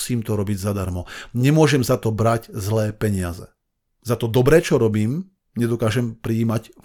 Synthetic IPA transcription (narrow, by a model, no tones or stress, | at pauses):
siːmt̪ɔɾɔbiɟzad̪aɾmɔɲɛmʊɔʒɛmzat̪ɔbɾaɟzlɛːpɛɲɪazɛ̰ | zat̪ɔd̪ɔbɾɛːt͡ʃɔɾɔbiːm | ɲɛd̪ɔkaːʒɛmpɾiːmac